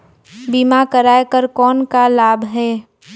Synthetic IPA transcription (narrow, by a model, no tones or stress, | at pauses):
biːmakəɾaːekəɾkɔːnkalaːbʱɦɛː